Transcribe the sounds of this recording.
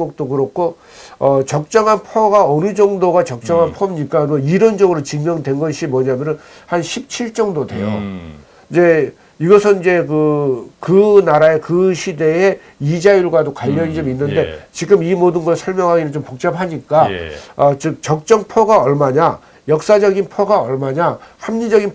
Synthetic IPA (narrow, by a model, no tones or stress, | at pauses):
ok̚t͈oɡɯɾʌkʰo | ʌt͡ɕʌk̚t͡ɕ͈ʌŋɦanpʰʌɡaʌnɯd͡ʑʌŋdoɡat͡ɕʌk̚t͡ɕ͈ʌŋɦanpʰʌmɲik͈anoiɾʌnd͡ʑʌɡɯɾot͡ɕimjʌŋdwe̞nɡʌɕʰimwʌɲamjʌnʌn | hanɕʰip̚t͡ɕʰiɭt͡ɕ͈ʌŋdodwe̞jo̰ | id͡ʑe̞ | iɡʌsʰɯnid͡ʑe̞kɯkɯnaɾae̞kɯɕʰide̞e | id͡ʑajuɭɡwadokaʎːʌɲit͡ɕominːɯnde̞t͡ɕiɡɯmimodɯnɡʌsʰʌɭmjʌŋɦaɡinɯnt͡ɕompok̚t͡ɕ͈ʌpʰhaɲik͈aʌt͡ɕɯk̚t͡ɕʌk̚t͡ɕ͈ʌŋpʰʌɡaʌɭmaɲa | jʌk̚s͈ad͡ʑʌɡinpʰʌɡaʌɭmaɲahamɲid͡ʑʌɡin